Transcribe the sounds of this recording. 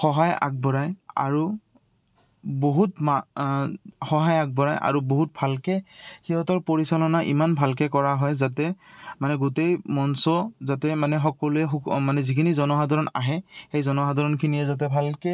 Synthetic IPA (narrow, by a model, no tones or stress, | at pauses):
xɔɦaja̰k̚bɔɹaja̰ɹu | boɦutma | xɔɦajak̚bɔɹajʔa̰ɹuboɦut̚bʱalkɛxiɦɔtɔɹpoɹisalɔnaʔḭmanbʱalkɛkɔɹaɦɔjzatɛmanɛɡutejmɔnsɔzatɛmanɛxɔkɔluɛxmanɛzikʰinizɔnɔɦadʱɔɹɔna̰ɦɛxejzɔnɔɦadɔɹɔnkʰinijɛzat̬ɛbʱalkɛ